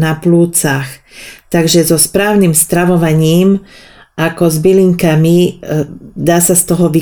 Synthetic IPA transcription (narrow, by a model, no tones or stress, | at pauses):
napluːt͡saxt̪aɡʒɛzɔspɾaːʊnimst̪ɾaʋɔʋaɲiːm | ʔakɔzbiliŋkami | d̪aːsast̪ɔɦɔʋi